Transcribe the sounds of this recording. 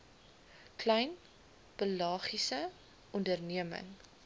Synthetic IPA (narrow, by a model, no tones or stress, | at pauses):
klɛjn | pəlɑːχisə | ʔɔndərniəmə̰ŋ